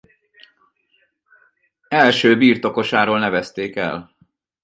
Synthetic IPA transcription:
ɛlʃøːbiːrt̪o̞ko̞ʃaːɾoːlnɛvɛst̪eːkɛ̰l

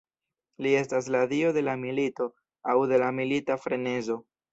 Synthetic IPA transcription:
lie̞stas̬ladio̞de̞lamilito̞ | awde̞lamilitafɾe̞ne̞zo̞

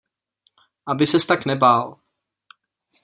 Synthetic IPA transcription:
ʔabɪsɛst̪aknɛbaːl

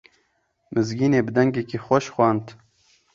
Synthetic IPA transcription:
mɨzɡiːneːbɨd̪ɛŋɡekixʷɔʃxʷwʷɑːnt̪

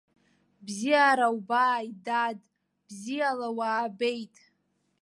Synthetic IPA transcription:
bzijaɾawbajdadʼ | b̥zijalawaːbe̞jtʼ

